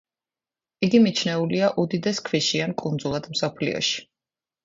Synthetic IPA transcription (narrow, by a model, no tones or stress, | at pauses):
iɡimit͡ʃʰnɛuliaʔud̪id̪ɛskʰviʃiankʼund̪zulˠad̪̥m̩sɔpʰlḭɔ̰ʃi̥